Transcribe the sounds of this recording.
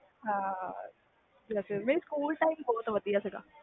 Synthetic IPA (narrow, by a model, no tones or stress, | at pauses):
ɦa | d͡ʒasemeːɾiskuːlʈaɪmbɔːt̪ʋɐt̪ijaseɡa̰ː